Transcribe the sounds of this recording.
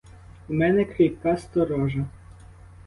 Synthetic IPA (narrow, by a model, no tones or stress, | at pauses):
umɛnɛkɾʲijpkɑst̪ɔɾɔʒɐ